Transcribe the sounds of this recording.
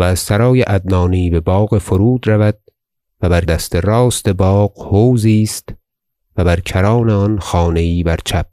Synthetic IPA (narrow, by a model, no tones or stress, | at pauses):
væːzsæɾɒːjeʔæd̪̚nɒːniːbe̞bɒːɣe̞foɾuːd̪ɾævæd̪̥̚ | væbæɾd̪æst̪ʰeɾɒːst̪e̞bɒːqhoːwziːst̪ | væbæɾcʰæɾɒːneɒnxɒːne̞iːbæɾt͡ʃʰæb̚